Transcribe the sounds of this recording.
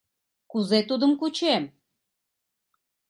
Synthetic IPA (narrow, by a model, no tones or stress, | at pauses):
kuzet̪ud̪ə̆mkut͡ɕem